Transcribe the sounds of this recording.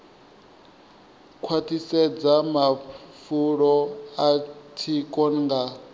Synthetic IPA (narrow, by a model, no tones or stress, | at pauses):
kʰwatʰisɛd͡zamafuɺɔatʰikʼɔnŋɡa